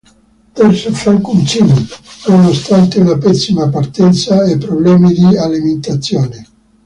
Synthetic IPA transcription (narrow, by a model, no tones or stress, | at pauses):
t̪ɛrsefɾaŋkunt͡ʃiːninonost̪ant̪eunapɛsːimapart̪ɛnt̪saepːɾoblɛːmid̪ialiment̪at̪sːjoːne